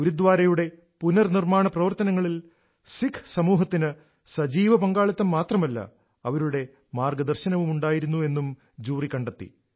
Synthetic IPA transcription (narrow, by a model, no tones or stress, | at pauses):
uɾud̪ʋaːɾɐjuɽe̞ | punɐrnirmaːɳɐprɐʋɐrt̪ɐnɐŋːɐɭil | sikʰsɐmuːɦɐt̪ːinɨ | sɐd͡ʑiːʋɐpɐŋɡaːɭɐt̪ːɐmːaːt̪rɐmɐlːɐ̰ | ɐʋɐɾuɽe̞ | maːrɡɐd̪ɐrɕɐnɐʋumuɳɖaːjiɾunːue̞nːum | d͡ʑuːrikːɐɳɖɐt̪ːḭ